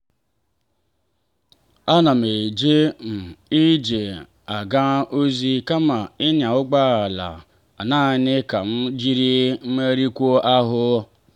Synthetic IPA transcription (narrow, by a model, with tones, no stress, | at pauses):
a˦na˨m̩˨e˨d͡ʒe˦m̩˨i˦d͡ʒe˨ | a˨ɡa˦ʔo˦zi˦ka˦ma˨ɪ˦nja˨ʊ˦ɡ͡ba˦a˨la̰˨ | a̰˨naː˦˨nɪ˦ka˨m̩˦d͡ʒi˦ɾi˦m̩˦me˦ɾi˦kʷo˦ʔa˦ɦʊ˦